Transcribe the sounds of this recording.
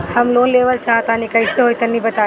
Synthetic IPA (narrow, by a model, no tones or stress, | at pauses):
hɐmloːnleːʋəlt͡ʃʰaːt̪aːnĩkɐiseɦoːit̪ɐnːĩbət̪aː